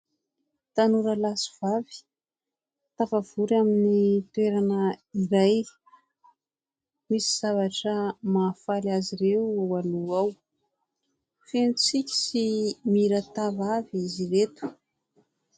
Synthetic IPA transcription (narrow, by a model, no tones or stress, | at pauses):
t̪anuɾəlasi̥v̥avi̥ | t̪avav̥uɾaminit̪ueɾanəiɾaj | misiz̥avaʈ͡ʂəmaːfalazirewwaluaw | fent͡sikʲi̥simiɾət̪avaviziɾet̪u̥